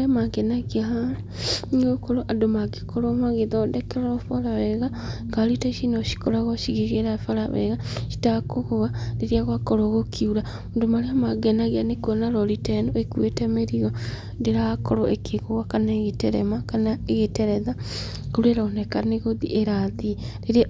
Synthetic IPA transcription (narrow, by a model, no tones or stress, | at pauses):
ɾeamaɡenaɣea | okoɾoʔadomaɣikoɾomaɣeðodɛkeɾaofoɾawɛɣa | ɡaɾitaiʃinoʃi̥koɾaɣɔʃiɣeɣeɾafaɾawɛ̰ɣaʃi̥takoɣoɣadiɾiaɣwakoɾoɣokʰiuɾa | ondomaɾeamaɡɛnaɣianekonaɾɔɾitɛndoekwetɛmeɾiɔ | ndeɾakoɾoʔekeɣoɣwakanaeɣeteɾɛ̰makanaeɣeteɾɛða | koɾweɾaonɛkaneɣoðḭʔeɾaðiɾeɾia